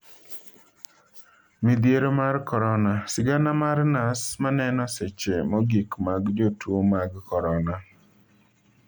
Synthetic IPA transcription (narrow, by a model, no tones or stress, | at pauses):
mid̪jeɾomarkɔɾɔnasɪɡanamarnasmanɛnɔset͡ʃemɔɡikmaɡd͡ʒotwomaɡkɔɾɔna